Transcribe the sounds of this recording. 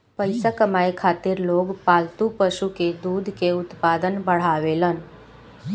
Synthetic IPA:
pəɪsakəmaːekʰaːt̪ɪɾloːɡpaːlt̪upəʃuked̪uːd̪ʱkeʊt̪paːd̪ənbəɽ̤aːʋeːlən

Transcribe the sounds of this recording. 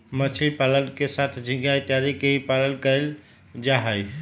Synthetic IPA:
mət͡ʃʰilpalənkesat̪ʰd͡ʒʱĩɡjajt̪jaɾikeɦipalənkəl | d͡ʒaɦəj

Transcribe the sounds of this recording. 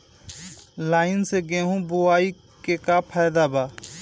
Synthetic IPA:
laːɪnseɡẽːɦũːbʊaːi | kekaːpʰaːjd̪aːbaː

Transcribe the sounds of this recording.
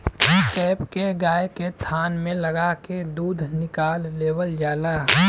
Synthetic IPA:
kɛːpkeɡaːjket̪ʰaːnmẽləɡaked̪uːd̪ʱnɪkaːlːeːwəld͡ʒaːla

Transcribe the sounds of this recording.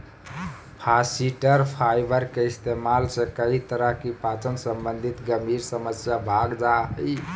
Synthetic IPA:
pʰasiʈəɾpʰajbəɾkeist̪emalsẽkəɦit̪əɾəɦkipat͡ʃənsəmbənd̪ʱit̪ɡəmʱiɾsəməsjabʱaɡd͡ʒaɦəj

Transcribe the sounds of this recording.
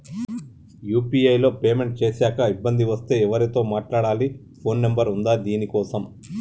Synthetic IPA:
juːpiːɐjlo̞ːpeːme̞ɳʈ̚t͡ʃeːsaːkɐibːɐnd̪iʋɐst̪e̞ːɛʋɐɾit̪o̞ːmaːʈlaːɽaːli | pʰo̞ːnːembɐɾund̪aːd̪iːnikɔːsɐm

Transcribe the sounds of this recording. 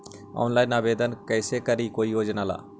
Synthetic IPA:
ɔ̰ːnlaːinaːʋeːd̪ənkɛːsekəɾikoːijoːd͡ʒnaːla̰ː

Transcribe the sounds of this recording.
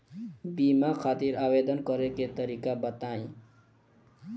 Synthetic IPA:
bimakʰat̪iɾabed̪ʌnkʌɾeket̪ʌɾikabʌt̪aĩ

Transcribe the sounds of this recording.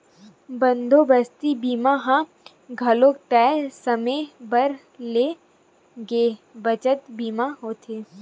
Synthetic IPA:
bə̃nd̪ʱobəst̪ibiːmaɦã | ɡʱɐloːk̚t̪ɛːsɐmẽbəɾ | leː | ɡeːbɐt͡ʃət̪biːmaɦoːt̪ʰeː

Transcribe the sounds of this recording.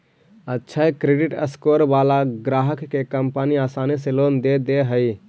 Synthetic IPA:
ətːʃʰakɾeɖɪʈə̰skoːɾbaːlaɡɾaːɦəkːekəmpaniaːsaːniseloːnd̪ed̪eɦəi

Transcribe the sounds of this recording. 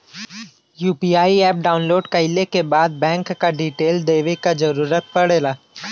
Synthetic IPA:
juːpiːaːiɛːp̚ɖaːʊnloːɖkɐɪlekebaːd̪̚bɛ̃ːŋkːaɖiːʈeːld̪eːʋekad͡ʒɐɾuːɾət̪̚pɐɽeːlaː

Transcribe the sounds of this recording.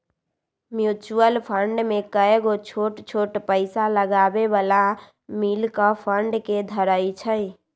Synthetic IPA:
mjut͡ʃuəlpʰəɳɖmekəeɡot͡ʃʰoʈt͡ʃʰoʈpəɪsaləɡabebala | milkəpʰəɳɖked̪ʱəɾəit͡ʃʰəj

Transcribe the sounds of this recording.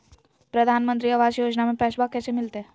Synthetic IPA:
pɾəd̪ʱaːnmə̃nt̪ɾiɐʋaːd͡ʒjoːd͡ʒnamẽpɛːʃbakːɛːsemɪlt̪e

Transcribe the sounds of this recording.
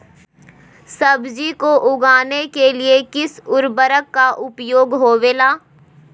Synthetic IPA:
sɐbd͡ʒikoʔʊɡaːnekeliekɪsʊɾbəɾəkːaʔʊpjoːɡɦoːʋeːlaː

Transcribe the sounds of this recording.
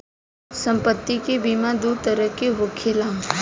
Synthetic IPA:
sə̃mpət̪ːikebimãd̪uɾt̪əɾəkeɦʊkʰela

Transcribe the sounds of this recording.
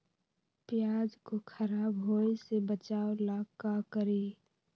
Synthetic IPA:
pɪjaːd͡ʒkokʰəɾaːbɦoːisebət͡ʃaːolakakəɾi

